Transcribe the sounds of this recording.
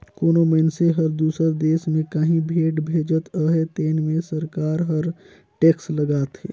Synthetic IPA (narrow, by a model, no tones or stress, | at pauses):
koːnoməɪnseɦəɾd̪uːsəɾd̪eːsmẽkəɦĩbʱeːʈbʱeːd͡ʒət̪əɦɛt̪eːnmẽsəɾkaːɾɦəɾ | ʈeːksləɡaːt̪ɦeː